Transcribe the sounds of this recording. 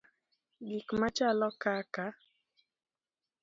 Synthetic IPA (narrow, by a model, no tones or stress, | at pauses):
ɡɪkmat͡ʃalɔkaka